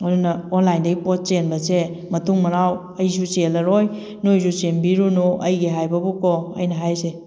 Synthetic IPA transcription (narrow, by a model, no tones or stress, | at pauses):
ojdunɐonlajndɐɡipɔt̚t͡ʃenbɐse | mɐtuŋmɐɾaw | ɐjsuselɐɾoj | nojs̬usembiɾunoʔɐjɡiɦajbɐbukɔɐ̰jnɐɦajse